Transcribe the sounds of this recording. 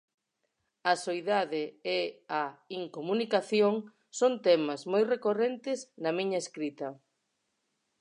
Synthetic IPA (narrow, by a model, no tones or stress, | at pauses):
ɐsojðaðeeaiŋkomunikaθjoŋ | sont̪ɛmɐzmojrekorent̪ɪznɐmiɲɐeskɾit̪ɐ